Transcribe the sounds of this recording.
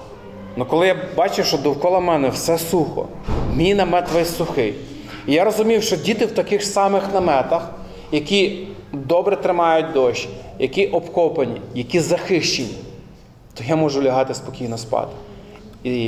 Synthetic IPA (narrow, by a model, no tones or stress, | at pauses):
nukɔlˠɪjabɑt͡ʃɪwʃt͡ʃɔd̪ɔwkɔlˠɐmɛnɛwsɛsuxɔ̰ | mʲinɐmɛt̪ʋɛsʊxɪ | ijaɾɔzʊmʲiwʃt͡ʃɔdʲit̪ɪwt̪ɐkɪxsɑmɪxnɐmɛt̪ɐx | jɐkʲi | d̪ɔbɾɛt̪ɾɪmɑjʊt̚ʲd̪ɔʃʲjɐkʲiʔɔpkɔpɐnʲḭjɐkʲizɐxɪʃt͡ʃenʲːi | t̪ɔjamɔʒʊlʲɐɦɑt̪ɪspɔkʲijnɔspɑ̰t̪ɪ̥ | i